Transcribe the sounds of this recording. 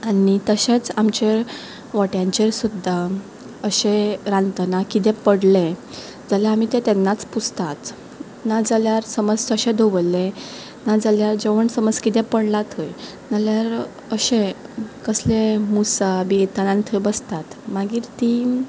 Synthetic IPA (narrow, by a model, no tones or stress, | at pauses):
anit̪əɕẽt͡samt͡ɕe | ʋɔʈjãɲt͡ɕesud̪ʱːa | əɕẽɾãnt̪ənakit̪̬ɛ̃pəɽle | d͡zaleamit̪ẽt̪ɛnːat͡sput͡st̪at̪ | nad͡zəljaɾsəməd͡zəɕẽd̪obəlːe | nad͡zəljaɾd͡ʑeʋəɳsəməd͡zkit̪ɛ̃pəɽlat̪ʰəj | naljaɾ | əɕẽkəslemusabit̪anãnt̪ʰəbəst̪at̪maɡiːɾt̪i